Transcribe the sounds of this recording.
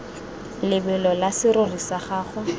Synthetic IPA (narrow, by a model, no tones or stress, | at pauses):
lɪbɛlɔlasɪɾʊrisaχaːχʊ